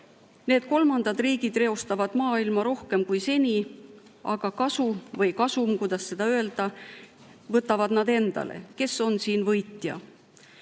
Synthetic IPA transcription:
ne̞ːd̪̥̚ko̞lmɑnd̪̥ɑd̪riːɡ̥id̪̥re̞o̞st̪ɑvɑd̪mɑːilmɑɾo̞hke̞mkujse̞nʲi | ʔɑɡ̥ɑkɑsuvɤjkɑsumkujd̪̥ɑsːe̞d̪̥ɑø̞eld̪̥ɑ | vɤt̪ːˑɑvɑd̪̥nɑd̪e̞nd̪̥ɑ̰lḛke̞so̞nsiːnvɤjt̪jɑ̰

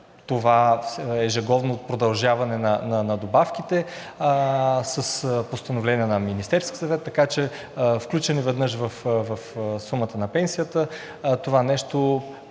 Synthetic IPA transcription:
t̪ovaɛʒɛɡɔvnoːt̪̚pɾod̪ɐlˠʒavɐnɛnɐnɐnɐd̪obafk̟it̪ɛ | səspost̪ɐnovlɛniənɐminist̪ɛɾski̥sɐvɛt̪ːɐkat͡ʃɛ | fklʲut͡ʃɛnivɛd̪nɤʃ̬vəfvɐfsumət̪ənɐpɛnsijət̪ə | t̪ovanɛʃt̪o

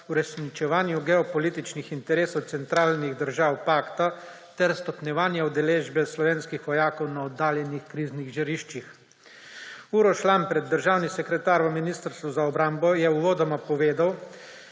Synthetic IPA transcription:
uɾɛsnit͡ʃɛʋaːnjuɡɛɔpɔliːt̪it͡ʃnixint̪ɛɾeːsɔwt̪sɛnt̪ɾaːlniɣd̪əɾʒaːwpaːkt̪a | t̪ɛɾst̪ɔpnjɛʋaːnjaud̪ɛleːʒbɛslɔʋeːnskixʋɔjaːkɔwnaɔd̪ːaːljɛnixkɾiːzniɣʒiɾiːʃt͡ʃix | uːɾɔʃlampɾɛd̪̚ːəɾʒaːwnisɛkɾɛt̪aːɾʋəminiːst̪əɾst̪ʋuzaɔbɾambɔjɛuʋɔːd̪ɔmapɔʋeːd̪aw

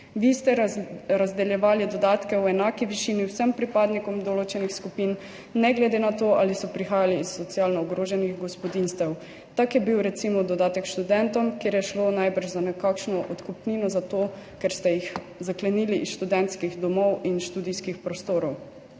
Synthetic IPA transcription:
ʋist̪ɛɾazd̪ɛljɛʋaːlid̪ɔd̪aːt̪kɛwɛnaːkiʋiʃiːniwsɛmpɾipaːd̪nikɔmd̪ɔloːt͡ʃɛnixskupinː | ɛɡlɛd̪enat̪oːʔalisɔpɾixaːjaliːsːɔt̪sialnɔɔɡɾoːʒɛniɣɡɔspɔd̪inst̪ɛw | t̪akjɛbiwɾɛt̪simɔd̪ɔd̪aːt̪ɛkʃt̪ud̪ɛnt̪ɔmkjeːɾjɛʃlonajbəɾʃzanɛkakʃnɔʔɔt̪kɔpninɔzat̪oːkɛɾst̪ɛjix | zaklɛniːliʔisʃt̪ud̪ɛnt̪skiɣd̪ɔmɔwinʃt̪uːd̪iskixpɾɔst̪oːɾɔw

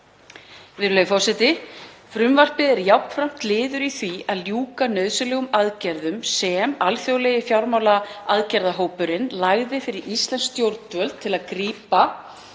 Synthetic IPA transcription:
vɪðɾlœðfɔsɛt̪ɪ | fɾʏmvar̥pɪðɛɾjawpnfɾam̥t̪lɪːðʏɾiθviaðljuːkanœːɥðsʏlɛːɣʏmaðcɛɾðʏmsɛmalθjowlɛːjɪfjawɾmawlaaðcɛɾðaɦoːwpʏɾɪnlaɣðɪfɪɾɪɾʔist̪lɛnst̪jowɾt̪vœlt̪ʰɪlaðkɾiːpa

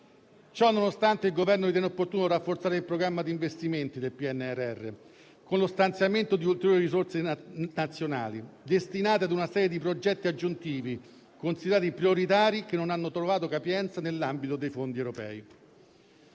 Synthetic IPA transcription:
t͡ʃɔnːonost̪ant̪eilɡovɛrnovit̪jɛneopːort̪uːnoɾafːort̪saːɾeilpɾoɡɾamːad̪iːɱvest̪iment̪id̪elpiɛnːeɛrɛrːḛ | konlost̪ant̪sjament̪od̪iult̪eɾjoɾːɾiɾisort̪senat̪sːjona̰ːlid̪est̪inaːt̪iad̪unasɛːɾjed̪ipɾod͡ʒɛt̪ːiad͡ʒːunt̪iːvi | konsid̪eɾaːt̪ipɾioɾit̪aːɾikenːonanːot̪ɾovaːt̪okapjɛnt̪sanelːambit̪od̪ejfond̪iewɾopɛ̰ːi

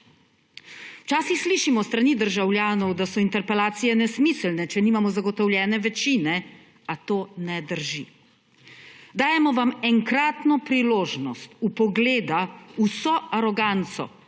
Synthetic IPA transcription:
wt͡ʃaːsixsliːʃimɔst̪ɾaniːd̪əɾʒawlʲjaːnɔwd̪asɔint̪ɛɾpɛlaːt̪sijɛnɛsmislnɛt͡ʃɛniːmamɔzaɡɔt̪ɔwljɛːnɛʋɛt͡ʃiːnɛ | at̪oːnɛd̪əɾʒḭ | d̪aːjɛmɔʋamɛŋkɾaːt̪nɔpɾiloːʒnɔst̪upɔɡleːd̪ausɔaɾɔɡant̪sɔ̰

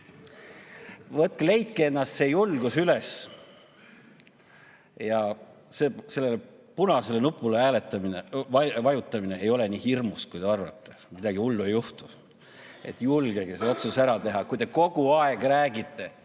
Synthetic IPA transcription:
vɤt̪̚kle̞jt̪̚keenːɑst̪se̞ːjulɡ̥usyles | jɑ | seːse̞lːele | punɑse̞le̞nupːˑuleæːlet̪ːˑɑmineɑvɑjut̪ˑːɑmine̞ejo̞le̞niːhirmuskujd̪e̞ɑrvɑ̰t̪ːemid̪ɑɡ̥iulːuejuht̪u | e̞̰t̪ːˑjulɡ̥e̞keso̞t̪susæɾɑt̪e̞ɦɑkujt̪e̞ko̞ɡ̥uɑeɡ̥ræːɡit̪ːe̞

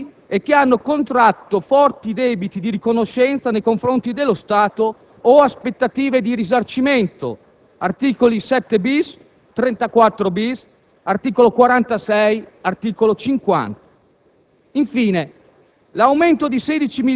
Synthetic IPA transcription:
ek̟ːeanːokont̪ɾat̪ːofɔrt̪id̪ɛbit̪id̪iɾikonoʃːɛnt̪sanejkoɱfɾont̪id̪elːost̪aːt̪oː | aspet̪ːat̪iːved̪iɾizart͡ʃiment̪o̰ | art̪iːkolisɛt̪ːebis | t̪ɾɛnt̪akwat̪ːɾobis | art̪iːkolokwaɾant̪asɛjart̪iːkolot͡ʃiŋkwa̰nt̪ḁ | iɱfiːne | lawment̪od̪ised̪it͡ʃimi

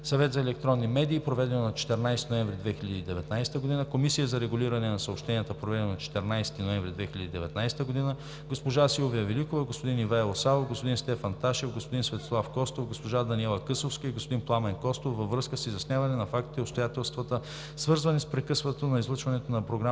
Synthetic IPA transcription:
sɐvɛt̪zɐɛlɛk̚t̪ɾɔnːimɛd̪iːpɾovɛd̪ɛnonɐt͡ʃɛ̥t̪ɛɾnajst̪inoɛɱvɾid̪vɛxiʎʲɐd̪iːd̪ɛvɛt̪najst̪əɡod̪inəkomisijəzɐɾɛɡʊlʲiɾɐnɛnɐsəopʃt̪ɛnijət̪əpɾovɛd̪ɛnonɐt͡ʃɛ̥t̪ɛɾnajsɛ̥t̪inoɛɱvɾʲid̪vɛxilʲəd̪iːd̪ɛ̰vɛt̪najsɛ̥t̪əɡod̪inə | ɡospoʒasilˠovijəvɛlikovəɡospod̪inivaɛlˠosalˠofɡospod̪inst̪ɛfɐnt̪aʃɛvɡospod̪insvɛt̪o̥slˠafkɔst̪ofɡospoʒad̪ɐniɛlˠɐkɤsˠofskɐiɡospod̪inplˠamɛŋkɔst̪ofːɐvːɾɤskəsizɐsnʲjavɐnɛnɐfak̚t̪i̥t̪ɛopst̪ojat̪ɛlˠst̪vɐt̪ə | svɤɾzvɐnispɾɛkɤsvət̪onɐizlˠɤt͡ʃvɐnɛt̪onɐpɾoɡɾa

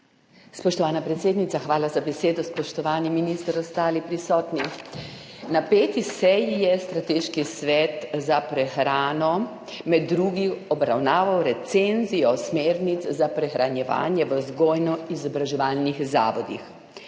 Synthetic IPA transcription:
spɔʃt̪ɔʋaːnapɾɛt̪seːd̪nit̪saxʋaːlazabɛseːd̪ɔspɔʃt̪ɔʋaːniminist̪əɾɔst̪aːlipɾisɔːt̪ni | napeːt̪isɛjijɛst̪ɾat̪eːʃkisʋɛt̪zapɾɛxɾaːnɔ | mɛd̪ːɾuːɡiɔbɾawnaːʋawɾɛt̪senzijɔsmeːɾnizzapɾɛxɾanjɛʋa̰ːnjɛʋəzɡoːjnɔizɔbɾaʒɛʋaːlnixza̰ːʋɔd̪ḭx

